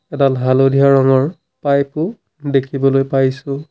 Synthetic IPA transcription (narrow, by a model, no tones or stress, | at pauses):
ɛdalɦalodʱiaɹɔŋɔɹ | pajpʊ | dekʰibɔlojpajsʊ̃